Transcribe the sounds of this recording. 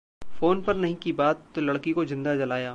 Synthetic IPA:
foːnpɐɾnɐɦĩkibaːt̪ːolɐɽkikozɪ̃nd̪ad͡ʒɐlaːjaː

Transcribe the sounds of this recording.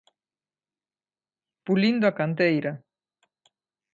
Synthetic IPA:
pulind̪oakant̪ejɾa

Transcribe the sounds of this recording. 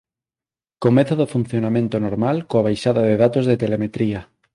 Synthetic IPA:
komeθaðofun̟θjonamẽnt̪onoɾmalkoaβ̞ajʃaðaðeðat̪ozðet̪elemet̪ɾia

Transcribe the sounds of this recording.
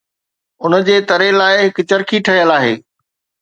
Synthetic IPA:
ʊnəd͡ʑeːt̪ɐɾelaːɪɦɪkt͡ɕɐɾkʰiʈʰɐijəlaːɦḛː

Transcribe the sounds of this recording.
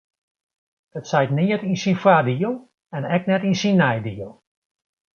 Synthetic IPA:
ətsɛjtniətinsinfwadiəlˠ | ɛnɛk̚nɛtinsinːɛjdiəlˠ

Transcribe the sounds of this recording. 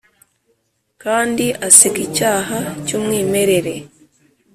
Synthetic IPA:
kaːndiʔasikicaːhacuːmwiːme̞ɾe̞ɾe̞

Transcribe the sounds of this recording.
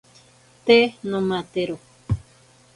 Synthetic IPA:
t̪enõmãt̪eɾo

